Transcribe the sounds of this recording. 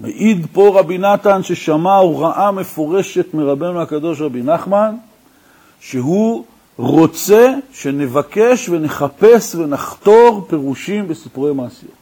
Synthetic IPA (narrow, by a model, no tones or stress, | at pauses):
mḛʔid̪po̞ʁabinat̪anʃeʃamauʁaʔame̞fo̞ʁe̞ʃe̞t̪meʁabe̞nuhakad̪o̞ʃʁabinaχman | ʃeɦu | ʁo̞t͡se̞ʃe̞ne̞vake̞ʃve̞ne̞χape̞sve̞naχt̪o̞ʁpe̞ʁuʃimbe̞sipuʁejmaːsḭjo̰t